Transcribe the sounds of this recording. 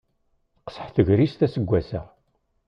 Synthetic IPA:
θqə̥sə̥ħθəʝɾist̪æsəɡʷːæsə̰ʁ

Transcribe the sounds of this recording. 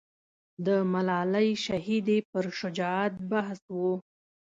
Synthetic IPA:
d̪əmalɑlajʃahid̪epəɾʃʊd͡ʒɑat̪̚baɦswu

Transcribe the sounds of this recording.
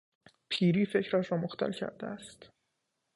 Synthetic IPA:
pʰiːɾiːfe̞cʰɾæʃɾɒːmoxt̪ʰæ̰lcʰæ̰ɾd̪eæst̪

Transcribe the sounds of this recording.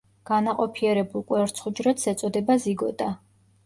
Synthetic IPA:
ɡ̥anaqʼɔpʰiɛɾɛbulˠkʼwɛɾt̪sʰχud͡ʒɾat̪sɛt̪sʼɔd̪ɛbaziɡɔd̪a

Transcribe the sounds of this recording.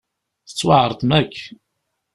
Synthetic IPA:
θə̥t͡sːwaʕəɾˤt̪ˤmækː

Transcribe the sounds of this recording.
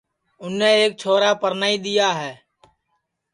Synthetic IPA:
ʊnːẽːeːk̚t͡ʃʰoːɾaːpəɾnaːiːɗ̪ijaːɦɛː

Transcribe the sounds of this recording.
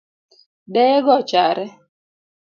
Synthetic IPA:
dɛjɛɡɔt͡ʃaɾɛ

